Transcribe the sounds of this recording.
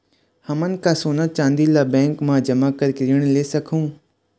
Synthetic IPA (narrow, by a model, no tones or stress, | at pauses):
hɐmən̆kãːsoːnat͡ʃãːnd̪ilaːbɛ̃ːŋkmãd͡ʑɐmakɐɾkɪɾɪəɽ̃leːsɐkʰũː